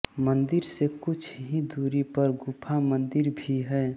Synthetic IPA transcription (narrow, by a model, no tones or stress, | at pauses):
mənd̪ɪɾsekʊt͡ʃʰɦid̪uːɾipəɾɡupʰamə̃nd̪ɪɾbʱiɦɛː